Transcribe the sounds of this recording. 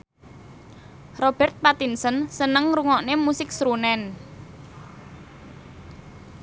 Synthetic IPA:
rob̥ɛrt̪̚pat̪insənsənəŋruŋɔʔnemusɪk̚sɾunɛn

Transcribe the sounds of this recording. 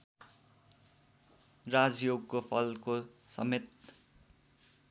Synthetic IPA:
rad͡zjoɡ̚kopʰʌlkosʌ̰met̪

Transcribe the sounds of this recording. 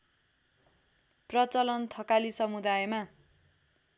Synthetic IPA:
prʌt͡sʌlʌnt̪ʰʌkalisʌmud̪ajma

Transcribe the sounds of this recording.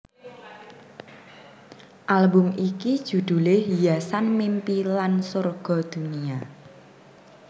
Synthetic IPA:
ʔalbʊmʔikid̥ʒ̥ṳd̪̥ṳlɪhjasanmimpilansʊrɡ̥ɔ̤d̪̥ṳnia

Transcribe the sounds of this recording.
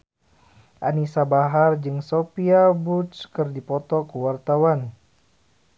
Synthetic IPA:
ʔanisabaɦard͡ʒɨŋsopiabut͡ʃkɨrdipɔt̪ɔkəwart̪awan

